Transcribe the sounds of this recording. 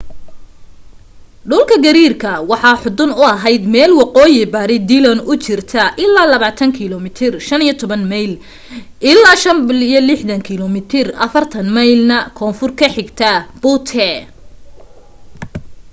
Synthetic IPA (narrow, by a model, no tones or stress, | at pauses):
ɖʊlkʰɐɡɐɾiːrkʰɐwɑħɑːħʊd̪ʊnʊɐɦɛjd̪mɛːlwɑqɔːjɪbɐɾɪd̪ilɐnʊt͡ʃɪrt̪ʰɐʔɪlːaːlɐβaːt̪ʰɐŋkʰɪlɔmɪt̪ʰɪrʃɐnijɔt̪ʰɔβɐnmɐjl | ʔɪlːaːʃɐnbɪlɪjɔlɪħd̪ɐŋkʰɪlɔmɪt̪ʰɪrɐ̰fɐrt̪ʰɐnmɐjlnɐkʰɔːnfʊrkʰɐħɪɡt̪ʰɐb̥ʊt̪ʰɛ